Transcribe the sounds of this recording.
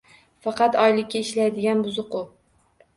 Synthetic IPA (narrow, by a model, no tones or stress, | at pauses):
fɑqɑt̪ɒjlɪkʲːaɪʃlajd̪ɪɡʲanbʊzʊqʊ